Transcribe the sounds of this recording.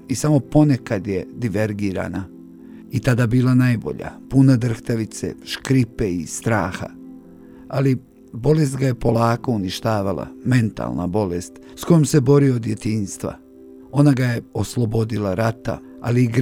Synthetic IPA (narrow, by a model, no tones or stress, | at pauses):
isamo̞po̞nekad̪jed̪iʋeɾɡiːɾa̰na | it̪ad̪abiːlˠanajbo̞̰ʎa̰punad̪r̩xt̪aʋit̪sḛʃkɾipe̞ist̪ɾaːxa̰ | ali | bo̞le̞s̬t̪ɡaje̞po̞laːko̞uniʃt̪aːʋalˠa̰me̞nt̪a̰lˠna̰bo̞lest̪ | sko̞jomse̞bo̞ɾiod̪je̞t̪iːnst̪ʋa̰ | o̞naɡajeo̞slˠo̞bo̞d̪ilaɾat̪a̰ | a̰liːɡɾ